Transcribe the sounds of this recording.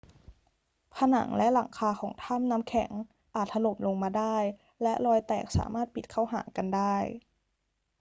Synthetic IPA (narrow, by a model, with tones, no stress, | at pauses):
pʰa˧na̰˩˦ŋlɛ˦˥ʔla̰˨˩˦ŋkʰaː˧xʰɔː˩˦ŋt̪ʰa˥˩˨mna˦˥mkʰɛ˨˩˦ŋ | ʔaː˨˩t̪̚ha˧lo˨˩mlo˧ŋmaː˧daː˥˩j | lɛ˦˥ʔlɔː˧jt̪ɛː˨˩k̚sa̰ː˩˦maː˥˩t̪̚pi˨˩t̪̚kʰaː˥˩wɦa̰ː˩˦ka˧ndaː˥˩j